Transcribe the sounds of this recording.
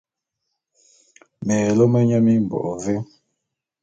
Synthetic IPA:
mɛ˨lo˦mə˦ɲə˦mi˦m̩˨bɔ̰˨ʔɔ˨ve˦

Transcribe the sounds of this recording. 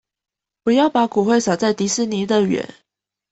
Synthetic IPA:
pu˨˥jɑ˥˩ʊpa˧˥ku˨˩xwe˥˩ɪsɑ˨˩ʊt͡sa˥˩ɪt̪i˧˥s̩˥ni˧˥d̪ə˨ɥɛ̰˨˥˦n

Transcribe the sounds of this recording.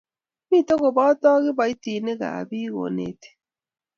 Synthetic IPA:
mi˦˨to˦ɣo˨bɔ˦tɔ˦ɣɪ˦ba˨i˦ti˨ne˦ɣa̰˨bi˦ɣo̰˨nḛ˨te̥˨

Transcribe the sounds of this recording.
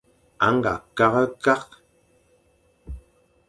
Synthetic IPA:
a̰˨˦ŋɡa̰˨ka˦ɣə˦ka˦q

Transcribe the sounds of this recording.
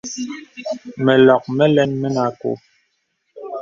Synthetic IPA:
mɛ˨lɔ˨k̚mɛ˦lɛ˦nmɛ˦na˦ko̰˦

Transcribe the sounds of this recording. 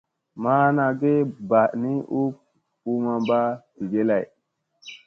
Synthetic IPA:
ma˦na˨ɡe˦ba˨ʔni˦ʔu˦p̚ | u˦ma˨mba˦di˨ɡe˦la˦˨j

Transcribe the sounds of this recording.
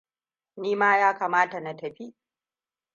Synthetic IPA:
niː˦maː˦jaː˦kaː˨maː˦ta˨na˨tɐ˨ɸi˦ʔ

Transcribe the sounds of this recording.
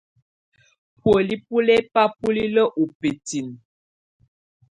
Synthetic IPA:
pwə˨li˦pu˦lɛ˦pa˦pu˦li˦lə˦ʔu˨pe˨ti˨n

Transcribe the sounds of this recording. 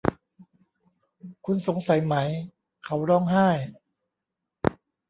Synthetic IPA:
kʰu˧nso˩˦ŋsa˩˦jma˦j | kʰa˦wɾɔː˧ŋɦaː˥˩j

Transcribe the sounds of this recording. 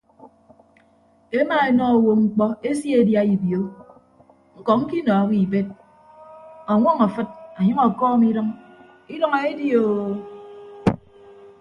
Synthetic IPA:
e˦ma˨e˨nɔ˦˨wo˨ŋ͡m̩˦k͡pɔ˦e˦sje˨dja˦i˨bjo˨˦ | ŋ̩˦kɔ˨ŋ̩˦ki˦nɔː˨a˦ki˦˨be˦t̚ | a˨ŋʷɔ˦ŋa˨fɨ˦t̚a˨ɲʌ˦ŋɔ˨kɔː˦mi˦ɾʌ˦ŋ | i˦dɔ˦ŋe˦e˦di˦o˨

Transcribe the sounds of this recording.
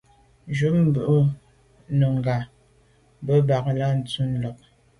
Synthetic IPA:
d͡ʒu˦m̩˨bə˨ʔu˦ | nə˨ŋ˨ɡa˨ | bə˦ba˨kla˦n̩˨t͡su˦n˨lɔ˨k̚

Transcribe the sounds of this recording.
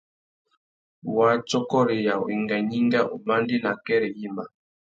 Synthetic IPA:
wa˦t͡ʃɔ˦kɔ˦ɾɛ˨ja˨wi˨ŋɡa˨ɲi˦ŋɡa˦ʔo˨ma˦ndi˦na˨kɛ˦ɾɛ˨ji˦ma˨

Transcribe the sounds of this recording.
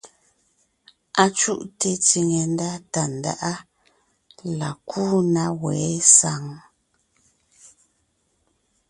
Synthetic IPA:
a˨t͡ʃṵ˦ʔte˨ti˨ŋe˨n˦da˦ta˨n̩˨da̰˦˨ʔa˦ | la˨kʰuː˦na˦wɛː˨˦sa˨˦ŋ

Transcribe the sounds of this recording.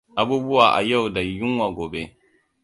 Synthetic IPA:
ʔa˨˦buː˦bʊ˦waː˨ʔa̰˨ja˦˨wda˨jʊ˦ŋwa˨ɡʷoː˨be˦

